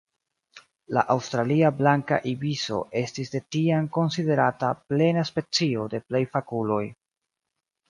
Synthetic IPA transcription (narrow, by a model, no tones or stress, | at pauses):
la̰ʔawstɾaliablaŋka̰ʔibiso̞̰ʔe̞stisde̞tiamko̞nside̞ɾataple̞naspe̞t͡sio̞de̞ple̞jfakulo̞j